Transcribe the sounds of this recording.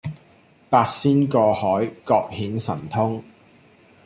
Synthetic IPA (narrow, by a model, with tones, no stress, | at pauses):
paː˧k̚siː˥nkɔː˧hɔː˨˥jkɔː˧k̚hiː˨˥nsɐ̰˨˩nt̪ʰʊ˥ŋ